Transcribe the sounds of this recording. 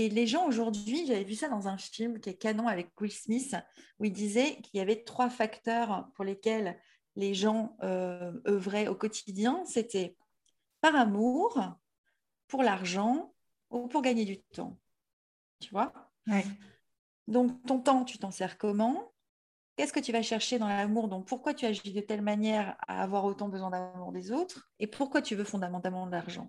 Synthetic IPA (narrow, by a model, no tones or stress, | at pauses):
eleʒɑ̃oʒuʁd̪ɥiʒavɛvysad̪ɑ̃zɛ̃filmkʲiɛkanɔ̃avɛkwilsmisuild̪izɛkiljavɛt̪χwafakt̪œʁpuʁlekʲɛlː | eʒɑ̃øœvʁɛokɔt̪ʰd̪jɛ̃set̪ɛ | paʁamuʁ | puʁlaʁʒɑ̃ | upuʁɡaɲed̪yt̪ɑ̰̃ | t̪yvwa | d̪ɔ̃kt̪ɔ̃t̪ɑ̃t̪yt̪ɑ̃sɛʁkɔmɑ̃ | kʲɛskət̪yvaʃɛʁʃed̪ɑ̃lamuʁd̪ɔ̃k̚puʁkwat̪yaʒid̪ət̪ɛlmanjɛʁa̰ːvwaʁot̪ɑ̃bəzwɛ̃d̪amuʁd̪ezot̪χepʰuʁkwat̪yvøfɔ̃d̪amɑ̃t̪almɑ̃d̪əlaʁʒɑ̰̃